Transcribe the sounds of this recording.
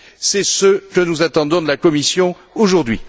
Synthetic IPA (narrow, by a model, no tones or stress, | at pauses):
sɛsəkənuzat̪ɑ̃d̪ɔ̃d̪əlakɔmisjɔ̃ | oʒuʁd̪ɥi